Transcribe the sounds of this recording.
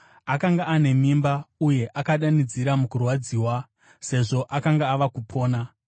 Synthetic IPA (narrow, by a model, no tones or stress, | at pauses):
akaŋɡaːne̞mimbauje̞ʔakaɗanid͡ziɾamukurwad͡ziːwa | se̞ʐo̞ʔakaŋɡaːʋakupʰo̞ːna